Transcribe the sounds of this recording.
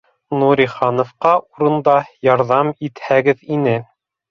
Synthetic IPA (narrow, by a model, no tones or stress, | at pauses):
nuɾʲiχɑnŏfqɑʔuɾɤ̆nd̪ɑjɑɾðɑmit̪hæɡɘðinɘ